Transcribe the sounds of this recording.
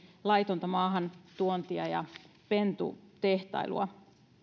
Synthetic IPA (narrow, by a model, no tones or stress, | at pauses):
lɑjt̪ont̪ɑmɑːɦɑnt̪uont̪iɑjɑ̰ | pe̞nt̪ṵt̪e̞ht̪ɑ̰ilṵɑ̰